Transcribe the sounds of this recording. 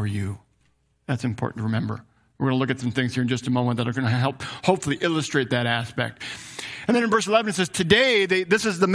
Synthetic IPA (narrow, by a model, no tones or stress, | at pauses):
ə˞jʉ | ðætsɨ̃mpʰɔ̰ɹʔn̩tʰəɹɨmɛ̃mbə̰˞ | wəɡʌnəlˠʊkɨtsʌ̃mθɪ̃ŋz̥hiɹɨ̃nd͡ʒʌstəmõʊ̃mə̃n̚ðəɾaɪɡʌnəɦɛlˠphoʊpfl̩ˠiʔɪlˠəstɹ̥eɪt̪̚ðɨɾæspɛ̰k̚t̚ɨ̃n̩ðɨñɨ̃nvɜ˞səlɛṽnɨtsɛz̥tʰɨdeɪðɨðɪsɨzðəm